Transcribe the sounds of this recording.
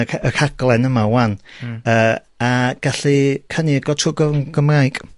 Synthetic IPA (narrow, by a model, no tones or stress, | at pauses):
əkʰaɡ̥lˠɛnəmawanəː | aɡ̥aɬikʰəniəɡɔtʰʊːɡəɡ̥əmrajɡ̥